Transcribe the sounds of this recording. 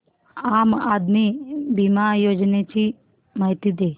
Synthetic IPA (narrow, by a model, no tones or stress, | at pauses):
amad̪mibimajod͡ʑnet͡ɕi | maɦit̪iːd̪e